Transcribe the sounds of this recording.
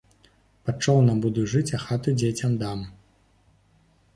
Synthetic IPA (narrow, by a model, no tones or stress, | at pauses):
pɐt͡ʂːɔwnɐbud̪uʐɨt͡sʲɐxat̪ud͡zʲet͡sʲɐmd̪am